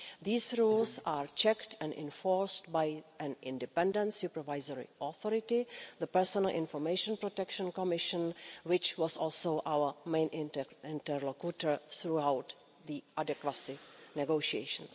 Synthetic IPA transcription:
ðiːsɹuːlsaːɹt͡ʃɛktɛ̃ndɪ̰̃nfoɹstbajʔɛ̃nɪ̃ndɛpɛ̃ndə̃ntsjupəɹvajzəɹɪ̰ʔɔθɔɾɪtɪðəpɛɹsɔnəlʔɪ̰̃nfɔɹmejʃə̃npɾotɛkʃə̃nkɔmɪʃə̃nwɪt͡ʃwɔsɔːlˠsoʊʔawə˞mẽɪ̃nɪ̃ntɛɹlokutəɹθɾuawt̪ | ðiʔadɛkwasɪnɛɡoʃiḛɪʃə̃ns

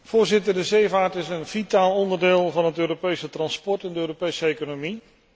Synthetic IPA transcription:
v̥ʊːɹzɪtəɹdəzejvaːɹtɪsənv̥itaːlˠɔndəɹdɪːlˠvɑnɦətøːɾopejsətrɑnspɔɹtɛndəøːɾopejsəejkonomi

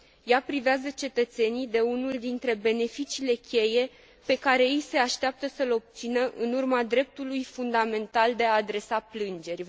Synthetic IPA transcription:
japɾiveazət͡ʃe̞t̪ət̪se̞nid̪e̞unuld̪int̪ɾe̞be̞ne̞fit͡ʃiːle̞kʲe̞je̞ | pe̞kaɾe̞ejse̞aʃt̪eap̚t̪əsəlo̞b̚t̪sinəʔɨnurmad̪ɾe̞p̚t̪ulujfund̪ame̞nt̪ald̪e̞aːd̪ɾe̞saplɨnd͡ʒe̞rʲ

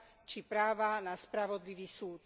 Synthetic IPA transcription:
t͡ʃipɾaːʋanaspɾaʋɔd̪liʋiːsuːt̪

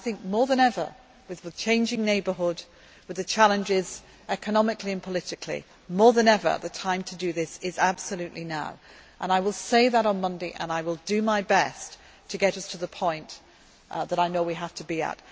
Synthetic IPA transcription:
aɪθɪ̃ŋk̚mɔɹðə̃ñɛvə̰˞ | wɨðwɨð̥t͡ʃʰẽɪ̃nd͡ʒɪ̃ŋneɪbə˞ɦʊd̚ | wɨðɨt͡ʃʰalˠɨ̃nd͡ʒɪz | ɛkənɑmɨkliɨ̃npʰəlɪɾɨkʰlḭ | mɔɹðɨ̃nɛvə̰˞ðɨtʰãɪ̃mtʰɨdɨðɪsɪzab̥səlʉʔˡlinaʊʔə̃naɪwɪlˠseɪðəɾn̩mʌ̃ndeɪʔə̰̃naɪwɪlˠdɨmaɪbɛs | tʰɨɡɛɾʌstʰəðəpʰɔ̃ɪ̃n | ðəɾaɪnoʊwiɦaftʰəbiə̰t̚

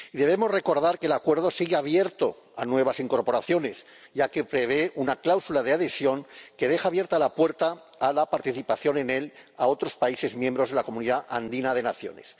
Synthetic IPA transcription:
iðe̞β̞emo̞zre̞ko̞ɾðaɾkelakwe̞ɾð̞o̞siɣeaβje̞ɾt̪o̞ | anwe̞β̞asiŋko̞ɾpo̞ɾaθjo̞ne̞s | ɟ͡ʝake̞pɾe̞β̞e̞unaklawsulaðeaðe̞sjo̞ŋke̞ðe̞xaːβje̞ɾt̪alapwe̞ɾt̪aː | lapaɾt̪iθipaθjo̞ne̞ne̞lao̞t̪ɾo̞spaise̞zmjembɾoðelako̞mũniðaʔand̪inað̞e̞naθjo̞̰ne̞s

